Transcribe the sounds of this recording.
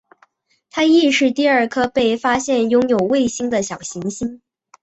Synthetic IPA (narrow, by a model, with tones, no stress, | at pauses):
t̪ʰa˥i˥˧ʂɻ̩˥˧t̪i˥˧ə˞˥˩kʰɤ˥pe˥˩ɪfa˥ɕjɛ˥˩njʊ˥ŋjo˨˩ʊwe˥˩ɪɕi˥ŋd̪ə˨ɕjɑ˨˩ʊɕi˧˥ŋɕi˥n